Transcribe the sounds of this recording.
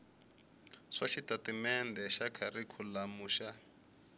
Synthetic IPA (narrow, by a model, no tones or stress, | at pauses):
ʂaʃitatimɛndɛʃakʰarikʰulamuːʃa